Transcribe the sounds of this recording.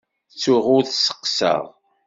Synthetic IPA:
t͡sːʊʁʊɾθsə̥qːsə̰ʁˤ

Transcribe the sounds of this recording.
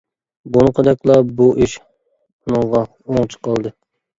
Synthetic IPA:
bunɨqʰəd̪ɛkʲlˠɑbuʔiʃ | ʊnɨŋʁɑ | oŋt͡ʃʰə̥qɑlˠd̪ɨ

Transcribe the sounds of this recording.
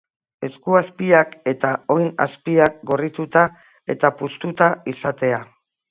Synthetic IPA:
e̞skuaspiake̞t̪ao̞jna̰spiak̚ɡo̞rit̪ut̪a | e̞t̪apust̪ut̪aisat̪e̞a

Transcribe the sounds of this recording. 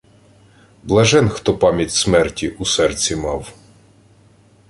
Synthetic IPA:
blˠɐʒɛnxt̪ɔpɑmʲjɐtʲsmɛrtʲiʔusɛrt͡sʲimɑw

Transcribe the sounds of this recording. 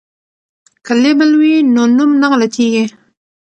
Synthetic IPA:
kʰalebəlwinonumnaŋlat̪ʰiɡi

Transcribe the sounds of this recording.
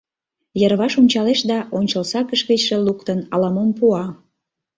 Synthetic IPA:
jərβɑʃonʲt͡ɕɑleʃd̪ɑʔonʲt͡ɕəlsɑkəʃket͡ɕʃelukt̪ənɑlɑmompuɑ

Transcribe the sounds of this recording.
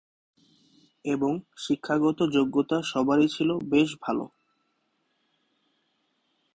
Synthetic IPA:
eboŋʃikʰːaɡɔt̪od͡ʑoɡːot̪aʃɔbaɾit͡ɕʰilobeʃ̬bʱalo̰

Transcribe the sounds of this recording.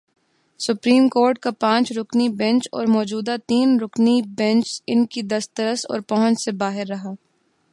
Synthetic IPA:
sʊpɾiːmkoːɾʈ̚kapãːt͡ʃɾʊknibɛ̃nt͡ʃɔ̰ːɾmɔːd͡ʒuːd̪at̪iːnɾʊknibɛ̃nt͡ʃɪnkid̪ɐst̪əɾəsɔ̰ːɾpɐɦə̃nt͡ʃsebaːɦɪɾːɐɦaː

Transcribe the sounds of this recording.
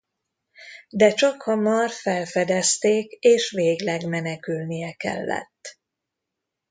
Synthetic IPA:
d̪ɛt͡ʃɒkhɒmɒrfɛlfɛd̪ɛst̪eːkeːʃʋeːɡlɛɡmɛnɛkylnijɛkɛ̰lːɛ̰t̪ː

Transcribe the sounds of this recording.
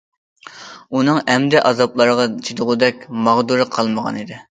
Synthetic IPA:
unɨŋɛmd̪ɪʔɑzɑplˠɑɾəʁɑt͡ʃʰid̪ʊʁʊd̪ɛkʲmɑʁd̪uɾɨqʰɑlˠməʁɑ̰nid̪ɪ

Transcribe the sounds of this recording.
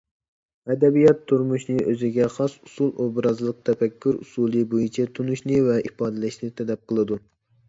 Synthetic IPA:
ɛd̪ɛbijɑt̪ʰːuɾmuʃnɨʔøzɪɡʲɛχɑsusulˠʔobɾɑzlˠəq̚t̪ʰɛfɛkʲʰːyɾṵsuːlˠɨbojit͡ʃʰɛt̪ʰunuʃnɨvɛʔipɑːd̪ɛlɨʃnɨt̪ʰɛd̪ɛp̚qʰəlˠɨd̪u

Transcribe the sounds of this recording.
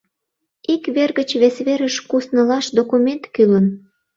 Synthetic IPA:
ikβerɣət͡ɕβesβeɾəʃkusnəlɑʃd̪okument̪kylən

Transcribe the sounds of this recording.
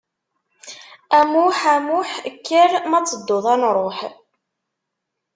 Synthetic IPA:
æmuħæmuħəkːəɾmæt͡sːəd̪ːoðˤænɾˤoħ

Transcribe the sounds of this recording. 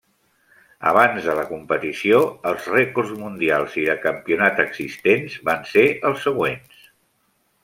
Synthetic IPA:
ə̰βanzðələkumpət̪isioəlˠzrɛkurzmund̪ialˠziðəkəmpiunat̪əɡz̥ist̪enzβanseʔəlˠsːəɣwens

